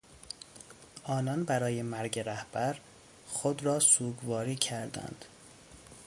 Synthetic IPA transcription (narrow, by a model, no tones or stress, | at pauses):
ʔɒːnɒnbæɾɒːje̞mæɾɟe̞ɾæhb̥æɾ | xod̪ɾɒːsuːɡvɒːɾiːcʰæɾd̪æ̰nd̪̥